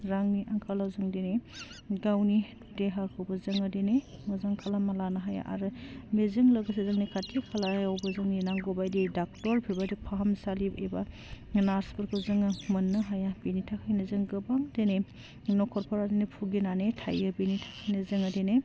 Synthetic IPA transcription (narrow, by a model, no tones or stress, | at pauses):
ɾaŋniʔaŋkʰalazɯŋdeneɡawnidudeɦaɾkʰɯwbɐzɯŋadenemɔzaŋkʰalamalanɐɦaja̰ʔa̰ɾɯmezɯŋlɐɡɯsezɐŋnikatikʰalaawbɐzɯŋninaŋɡobajdidak̚tɔɾpʰibadipʰaɦamsalibeba | naɾspɯɾkʰɯzɯŋɯmɯnːɯɦajabinitʰakʰajnɐzɯŋɡɯbaŋdene | nɔkʰɔɾpʰɔɾadenipʰuɡinanetʰa̰jɯbinitʰḁkʰajnɐzɯŋadene